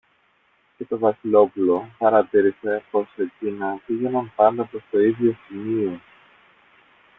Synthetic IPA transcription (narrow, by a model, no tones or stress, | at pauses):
ce̞t̪o̞vɐsilo̞pulo̞pɐɾɐt̪iɾisepo̞secinɐviɣenɐmpɐnd̪ɐpɾo̞st̪o̞iðʝo̞simio̞